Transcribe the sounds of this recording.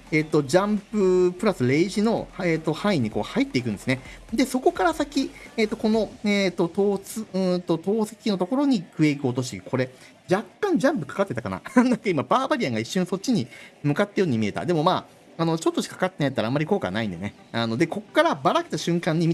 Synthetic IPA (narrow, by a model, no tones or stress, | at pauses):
eːt̪ːo̞d͡ʑãmpɯ̟pɯ̟ɾasɨɾe̞iʑino̞eːt̪ːo̞hãĩɲ̟ːiko̞̰ːhait̪ːe̞ikɯ̟nesɨned̪e̞so̞ko̞kaɾasakʲieːt̪ːo̞ko̞no̞eːt̪ːo̞t̪o̞ːsɨɯ̃t̪o̞t̪o̞ːse̥kʲino̞t̪o̞ko̞ɾo̞ɲ̟ikɯ̟ekʲio̞t̪̬o̞ɕ̬ikʰo̞ɾe̞ | d͡ʑakːãɲ̟d͡ʑãmpɯ̟̥kḁkat̪ːe̞t̪aka̰na̰nãŋkaimabaːbaɾʲiãŋɡaiɕːõso̞t̚t͡ɕiɲ̟imɯ̟kat̪ːajo̞ːɲ̟imʲie̞t̪a̰d̪e̞mo̞maː | no̞t͡ɕo̞t̪ːo̞ɕi̥kḁkat̪ːenajat̪ːaɾamːaɾʲiko̞ːka̰naĩnd̪e̞ne | ano̞d̪e̞ko̞kːaɾabaɾakɯ̥t̪aɕɨ̃ŋkãɲ̟ːimʲit̪